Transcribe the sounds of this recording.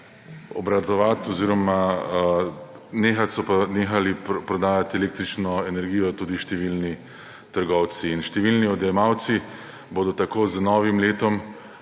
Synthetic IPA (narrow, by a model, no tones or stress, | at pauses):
ɔ̰bɾad̪ɔʋat̪ɔziːɾɔma | neːxat̪sɔpanexalippɾɔd̪aːjat̪eleːk̚t̪ɾit͡ʃnɔɛnɛɾɡiːjɔt̪uːd̪iʃt̪ɛʋilni | t̪əɾɡɔw̪siːnʃt̪ɛʋilniɔd̪ɛjɛmawt̪si | boːd̪ɔt̪akoːznɔːʋimleːt̪ɔm